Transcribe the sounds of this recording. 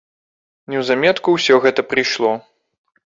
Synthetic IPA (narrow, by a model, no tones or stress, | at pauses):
nʲɛwzamʲɛt̪kuwsʲɔɣɛt̪ɐpɾɨjʂlˠɔ